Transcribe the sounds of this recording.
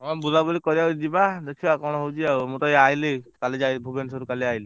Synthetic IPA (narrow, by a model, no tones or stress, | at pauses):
ɔabulabulikɔɾiaɦud͡ʒibad̪ekʰibakɔɽ̃ɔɦowt͡ʃʰiaumut̪ɔiajlekalid͡ʒajbʱubensɔɾukaliajli